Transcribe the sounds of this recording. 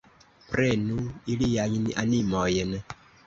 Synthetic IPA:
pɾɛnuilijaɲinḭʔanimɔjɛnɛ

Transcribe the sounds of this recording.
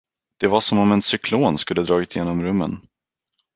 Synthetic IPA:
d̪̥ɛvaʂɔmɔmɛnsʏkʰloːnskɵlːəd̪ɾɑːɡʏt̪ʰːɪjeːnɔmɾɵmːə̰n

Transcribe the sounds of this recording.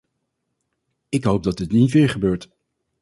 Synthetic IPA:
ɪkɦowp̚dɑtdɪtnitʋɪːɹχəbøːɹt

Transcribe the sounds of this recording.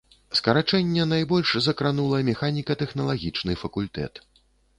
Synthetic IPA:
skɐɾat͡ʂɛnʲːɛnajbɔlʲʂzɐkɾanulˠɐɐmʲɛxanʲikɐt̪ɛxn̪ɐlˠaɣʲit͡ʂnɨfɐkulʲt̪ɛ̰t̪

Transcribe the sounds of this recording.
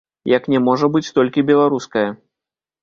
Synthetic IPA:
jɐknʲɛmɔʐɐbɨt͡sʲt̪ɔlʲkʲibʲɛlˠaɾuskɐjɐ

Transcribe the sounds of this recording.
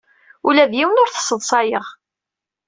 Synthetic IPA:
ulæðjiwənʊɾθə̥sˤːəðˤsˤɑjəʁ

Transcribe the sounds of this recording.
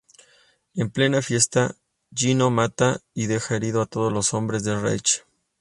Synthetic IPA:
e̞mple̞nafje̞st̪a | ʝino̞mat̪aiðe̞xaeɾið̞o̞at̪o̞ð̞ozlo̞so̞mbɾe̞zðe̞rḛjt͡ʃ

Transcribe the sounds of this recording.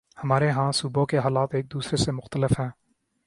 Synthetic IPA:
hɐmaːɾeɦãːsuːbõkeɦaːlaːt̪eːk̚d̪uːsɾesemʊxt̪əlɪfɦɛ̃ː

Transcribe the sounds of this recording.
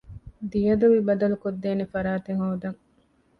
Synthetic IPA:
d̪ijɐd̪uʋibɐd̪ɐlukod̪ːeːnefɐɾaːt̪eŋɦoːd̪ɐŋ

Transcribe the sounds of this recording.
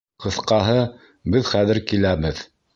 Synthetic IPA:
qɤ̆θqɑɦɤ | bɘðχæðɘɾkilæβɘð

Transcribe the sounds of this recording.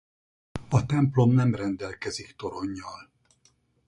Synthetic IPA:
ɒt̪ɛmplo̞mnɛmrɛnd̪ɛlkɛzikt̪o̞ɾo̞ɲːɒl

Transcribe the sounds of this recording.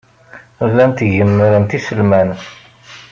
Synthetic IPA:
lænt̪ʝəmːɾənt̪isəlmæn

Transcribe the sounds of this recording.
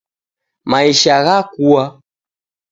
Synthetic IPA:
maiʃaɣakua

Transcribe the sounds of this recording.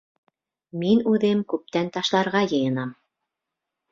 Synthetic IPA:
minʉðɘmkʉp̚t̪ænt̪ɑʃlˠɑɾʁɑjɤ̆jɤ̆nɑm

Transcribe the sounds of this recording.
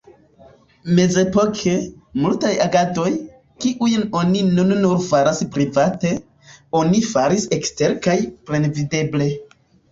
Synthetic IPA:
me̞ze̞po̞kʰemultajaɡado̞j | kiʔujno̞ninunnuɾfaɾaspɾivate̞ | o̞nifaɾise̞kste̞ɾkajpɾe̞nvide̞ble̞

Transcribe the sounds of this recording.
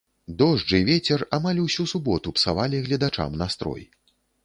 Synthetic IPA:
d̪ɔʐd͡ʐɨvʲɛt͡sʲɛramalʲusʲusubɔt̪upsavalʲiɣlʲɐd̪at͡ʂa̰mnast̪ɾɔ̰j

